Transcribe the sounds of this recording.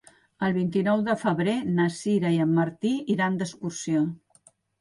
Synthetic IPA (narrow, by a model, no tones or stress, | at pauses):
əlˠβ̞int̪inɔwðəfəβɾenəsiɾəiəmːəɾt̪iiɾand̪əskuɾsio